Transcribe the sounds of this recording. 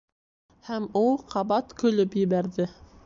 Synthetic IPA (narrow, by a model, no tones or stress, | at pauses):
hæmulˠqɑβɑt̪kɵ̆lɵpjɘ̆βæɾðɘ